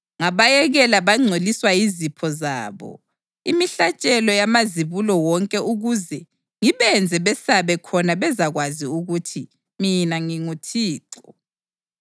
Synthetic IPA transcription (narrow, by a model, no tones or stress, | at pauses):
ŋaβajɛɣɛlaβaŋ͡ǀʱoliswajizipʰɔza̰ːβɔ̰ | imiɬat͡ʃʼɛlɔjamaziβulɔwɔŋkʼɛuɣuzɛ | ŋiβɛnd͡zʱɛβɛsaβɛkʰɔnaβɛzaɣwaziuɣutʰi | minaŋiŋutʰiːǁɔ